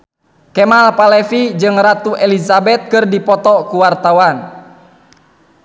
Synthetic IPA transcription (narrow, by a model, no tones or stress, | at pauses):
kɛmalpalɛfid͡ʒɨŋrat̪uʔɛlizabɛt̪̚kɨrdipɔt̪ɔkuwart̪awan